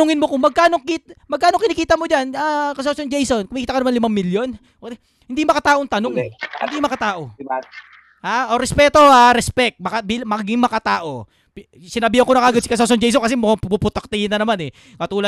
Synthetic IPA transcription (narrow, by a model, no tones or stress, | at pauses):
ʊŋɪnmokʊŋmɐɡ̚kaːnoŋkit̪mɐɡ̚kːaːnoŋkɪnɪkiːt̪ɐmod͡ʒanakɐsosond͡ʒejsonkʊmɐkiːt̪ɐkɐɐmanlɪmaŋmɪljo̞n | hɪnd̪ijmɐkɐt̪aːʔoŋt̪ɐnoŋhɪnd̪imɐkɐt̪aːʔo̞ | haoɾɛspɛːt̪ohaɾɛspɛk̚t̪̚mɐkabilmɐɡɪŋmɐkɐt̪aːʔo̞ | p | sɪnɐbɪhɐŋkonɐkaːɡod̪̚sɪkɐs̬os̬ond͡ʒɛjs̬onkɐs̬ɛmʊpupʊt̪ɐk̚t̪ɪhɪnːɐnɐmanɛ | ŋɐt̪uːlɐ